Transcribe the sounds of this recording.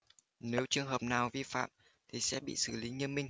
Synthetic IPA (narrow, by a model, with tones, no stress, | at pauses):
ne˨˦wt͡ɕɨ˨˩əŋɦəː˨˩p̚naː˨˩wvi˧fa̰ː˧˨m | t̪ʰi˨˩sɛ̰˧˥ɓḭ˧˨sɨ˧˩li˨˦ɲə˧ənmï˧ŋ̟